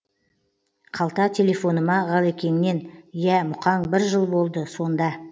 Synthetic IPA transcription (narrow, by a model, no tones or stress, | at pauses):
qʰɑlˠt̪ɑt̪ʲʰe̞le̞fo̞nəmɑʁɑlˠekʲe̞nɪne̞njæmʊqɑŋbɪɾʒəlˠbo̞lˠd̪əso̞nd̪ɑ